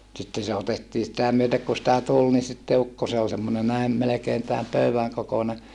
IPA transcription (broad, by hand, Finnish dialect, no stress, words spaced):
sitːe se otetːiː sitæ myøtek ku sĭtæ tul ni sitːe ukːo se ol semːone næi̯ melekeːn tæːm pøyæŋ kokone